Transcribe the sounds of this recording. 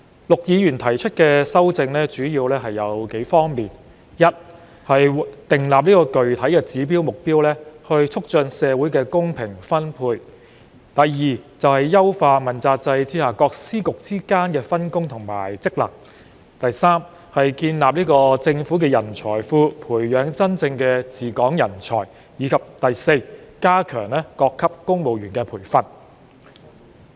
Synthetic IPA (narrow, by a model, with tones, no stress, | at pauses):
lʊ˨k̚jiː˨˧jyː˨˩nt̪ʰɐ˨˩jt͡ʃʰɵ˥t̚kɛː˧sɐ˥wt͡sɪ˧ŋlɛː˥t͡ʃyː˨˥jiː˧wlɛː˥ɦɐ˨jːɐ̰˨˧wke˨˥jfɔː˥ŋmiː˨n | jɐ˥t̚ | hɐ˨jt̪ɪ˨ŋlaː˨p̚niː˥kɔː˧kɵ˨ɥt̪ʰɐ˨˥jkɛː˧t͡siː˨˥p̬iː˥wmʊ˨k̚piː˥wlɛː˥hɵ˧ɥt͡sʰʊ˥k̚t͡ʃœ˧nsɛː˨˧wu˨˥jkɛː˧kʊ˥ŋpʰɪ˨˩ŋfɐ˥npʰuː˧j | t̪ɐ˨jːiː˨˩t͡sɐ˨whɐ˨jːɐ˥wfaː˧mɐ˨˩nt͡saː˧t̚t͡sɐ˧jt͡siː˥haː˨˩kɔː˧k̚siː˥kʊ˨k̚t͡siː˥kaː˥nkɛː˧fɐ˥nkʊ˥ŋt̪ʰʊ˨˩ŋma̰ː˨˩jt͡sɪ˥k̚lɐ̰˨˩k̚ | t̪ɐ˨jsaː˥m | hɐ˨jkiː˧nlaː˨p̚niː˥kɔː˧t͡sɪ˧ŋfuː˨˥k̬ɛː˧jɐ˨˩nt͡sʰɔ̰ː˨˩jfuː˧pʰuː˨˩jjœː˨˥ŋt͡sɐ˥nt͡sɪ˧ŋkɛ˧t͡siː˨kɔː˨˥ŋjɐ˨˩nt͡sʰɔː˨˩j | jiː˨˧kʰɐ˨p̚t̪ɐ˨jse˧jkaː˥kʰœː˨˩ŋlɛː˥kɔː˧kʰːɐ˥p̚kʊ˥ŋmo˨wjyː˨˩nkɛː˧pʰuː˨˩jfɐ˨t̚